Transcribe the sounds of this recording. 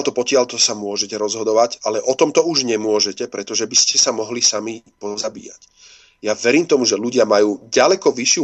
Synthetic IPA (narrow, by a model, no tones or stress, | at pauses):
lt̪ɔpɔcɪalt̪ɔsamʊɔʒɛcɛɾɔzɦɔd̪ɔʋaɟalɛʔɔt̪ɔmt̪ɔuʒɲɛmʊɔʒɛcɛpɾɛt̪ɔʒɛbiscɛsamɔɦlisamipɔzabḭːjac | jaʋɛɾiːmt̪ɔmuʒɛluɟɪamajuːɟalɛkɔʋiʃɪu